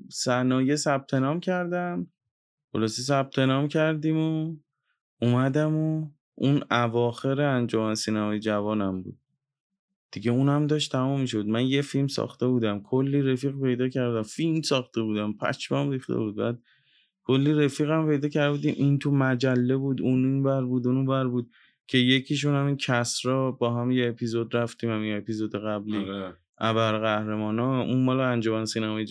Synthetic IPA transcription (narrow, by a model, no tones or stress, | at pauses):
sænɒːje̞sæb̥̚t̪ʰe̞nɒːmcʰæɾd̪æm | χolɒːse̞s̬æb̚t̪ʰe̞nɒːmcʰæɾd̪iːmo | umæd̪æmo | ʔunævɒːxe̞ɾeænd͡ʒomænsiːnæmɒːjed͡ʒævɒːnæmbṵːd̪̥̚ | d̪̥iɟe̞unæmd̪ɒːʃt̪ʰæmumːiʃ̬oud̪mænjefilmsɒ̰ːxt̪e̞buːd̪æmkʰolːiːɾefiːɣpe̞jd̪ɒːcʰæɾd̪æmfilmsɒːxt̪e̞buːd̪æmpʰæ̰t͡ʃʰmæmɾiːxt̪ḛbuːd̪̚bæːd̪̚ | kʰolːiːɾefiːɣæmpe̞jd̪ɒːcʰæɾd̪buːd̪iːmʔint̪ʰumæd͡ʒælːe̞buːd̪ununvæɾbuːd̪ununbæɾbuːd̪̥̚ | cʰe̞je̞cʰiʃ̬unhæmiːncʰæsɾɒːbɒːɦæmjeːpʰizod̪ɾæft̪iːmhæmiepizod̪eɣæbli | ʔæbæɾɣæhɾemɒːnɒunmɒːleænd͡ʒomænsiːnæmɒj